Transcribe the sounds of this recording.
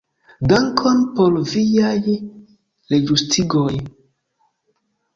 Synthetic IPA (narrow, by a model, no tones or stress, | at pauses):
daŋkʰonpolviaj | leɡɾustʰiɡoj